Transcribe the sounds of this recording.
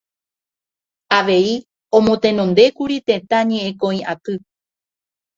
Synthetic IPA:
aʋe̞i | õmõ̞t̪ẽ̞nõ̞nd̪e̞kuɾit̪e̞t̪aɲẽ̞ʔẽkõ̞ĩʔat̪ɨ

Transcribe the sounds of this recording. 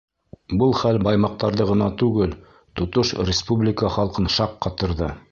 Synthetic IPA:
bɤlˠχælbɑjmɑq̚t̪ɑɾðɤʁɤ̆nɑt̪ʉɡɘl | t̪ŏt̪ɤʃrʲɪspublʲɪkəχɑlˠqɤnʃɑqːɑt̪ɤ̆ɾðɤ

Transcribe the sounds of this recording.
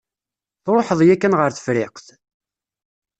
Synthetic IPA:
θɾˤoħəðˤjækːænʁəɾθə̥fɾɪqθ

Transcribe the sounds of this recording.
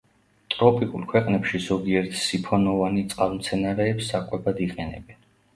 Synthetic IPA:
t̪ʼɾɔpʼikʼṵlˠkʰwɛqʼnɛpʃizɔɡiɛɾt̪ʰsipʰɔnɔvanit̪sʼqʼalˠmt̪sʰɛnaɾɛːpsːakʼwɛbad̪iqʼɛnɛ̰bɛn

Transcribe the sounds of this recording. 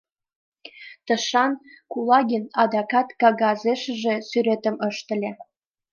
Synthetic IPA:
t̪əʃɑnkulɑɣinɑd̪ɑkɑt̪kɑɣɑzeʃə̆ʒesyɾet̪əməʃt̪ə̆lʲe

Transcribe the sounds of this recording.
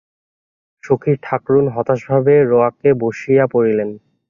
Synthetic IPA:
ʃokʰiɾʈʰakɾunɦɔt̪aʃbʱabeɾoakeboʃijapoɾilen

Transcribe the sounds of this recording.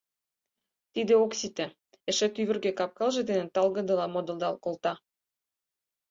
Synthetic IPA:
t̪id̪ĕoksit̪ĕ | ĕʃĕt̪yβɘ̆rɡekɑp̚kɑlʒɤ̆d̪enə̆nt̪ɑlɣɤ̆d̪ɤ̆lɑmod̪ɤ̆ld̪ɑlkolt̪ɑ

